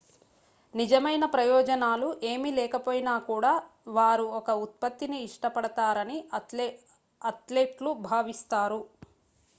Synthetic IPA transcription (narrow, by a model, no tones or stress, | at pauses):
nid͡ʒɐmɐjnɐpɾɐjɔːd͡ʒɐnaːluʔe̞ːmilɛːkɐpoːjinaːkuːɽaː | ʋaːɾuɔkɐut̪̚pɐt̪ːiniːʂʈɐpɐɽɐt̪aːɾɐni | ɐt̪lepʈlubʱaːʋist̪aːɾu